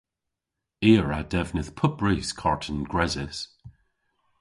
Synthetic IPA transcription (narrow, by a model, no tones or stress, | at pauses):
iːɹad̥ɛvnɪθpʰʊpɹiskʰɔɹtʰənɡ̥ɹɛzɪs